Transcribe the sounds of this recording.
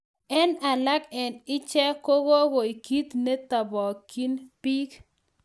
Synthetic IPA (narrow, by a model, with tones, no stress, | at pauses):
ɛ˦na˨la˦kɛ˨nɪ˦t͡ʃɛ˦ko˦ɡo˦ɡo˨i˨ki˦t̪ne˦t̪a˨bɔ˨ki˦npi˦k